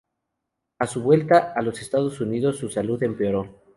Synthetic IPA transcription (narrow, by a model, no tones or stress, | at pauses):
asuβwe̞lt̪aʔalo̞se̞st̪að̞o̞suniðo̞sːusaluðe̞mpeoɾo̞